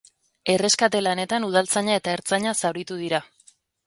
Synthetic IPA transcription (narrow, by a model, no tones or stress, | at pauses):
e̞re̞skat̪e̞lane̞t̪anuðalt͡saɲae̞t̪aeɾt͡saɲasawɾit̪uð̞iɾa